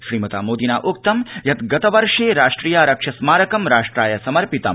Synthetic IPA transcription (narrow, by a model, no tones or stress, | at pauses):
ʃɾiːmɐt̪a̰ːmoːd̪ina̰ːʔok̚t̪ɐmjɐt̪ɡɐt̪ɐʋɐɾʂeːɾaːʂʈɾiːjaːɾɐkʂɐsmaːɾɐkɐmɾaːʂʈɾaːjɐsɐmɐɾpit̪ɐ̰m